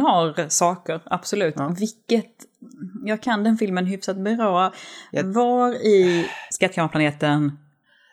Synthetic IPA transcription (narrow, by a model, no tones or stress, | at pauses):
haɾsɑːkəɾab̥sɔlʉ̟ːt̪ːvɪkːət̪jɑːɡ̚kʰand̪ɛnfɪlmənɦʏfsat̪̚bɛɾoː | vaɾɪskat̪ːkʰamapʰlaneːt̪ən